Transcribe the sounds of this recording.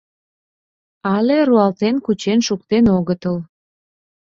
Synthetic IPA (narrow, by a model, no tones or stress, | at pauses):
ɑleɾuɑlt̪enkut͡ɕenʃuk̚t̪enoɣət̪əl